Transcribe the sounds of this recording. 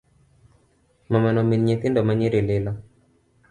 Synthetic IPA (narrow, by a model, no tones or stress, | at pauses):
mamanɔminɲeθindɔmaɲiɾilɪla